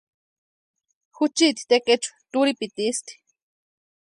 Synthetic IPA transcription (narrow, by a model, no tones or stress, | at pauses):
xut͡ʃit̪i̥t̪eket͡ʃu̥t̪uɾipit̪ist̪i̥